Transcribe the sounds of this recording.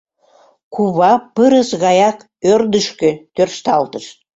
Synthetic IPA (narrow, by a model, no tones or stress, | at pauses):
kuβɑpəɾəsɣɑjɑk | ørd̪əʃkøt̪ørʃt̪ɑlt̪əʃ